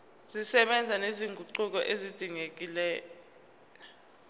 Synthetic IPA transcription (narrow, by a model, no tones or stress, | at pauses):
z̥isɛɓɛnd͡zʱaneziŋɡʱuǃuk̬ɔʔezid̥ʱiŋek̬ʼilɛːj | ɔ